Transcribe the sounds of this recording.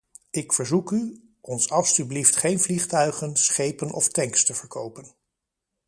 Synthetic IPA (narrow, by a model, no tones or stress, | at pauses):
ɪkfəɹzuky | ʔɔnsɑlˠsybliftχejnvliχtœɥχənsχejpənʔɔ̰ftɛŋkstəvəɹkʰowpən